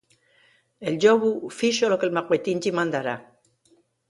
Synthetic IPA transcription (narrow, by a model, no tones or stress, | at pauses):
eld͡ʒoβufiʃolokelmakwet̪ind͡ʒimand̪aɾa